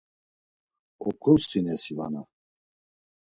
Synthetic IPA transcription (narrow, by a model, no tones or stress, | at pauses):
ɔkʰʼumst̪ʰinɛsiva̰na̰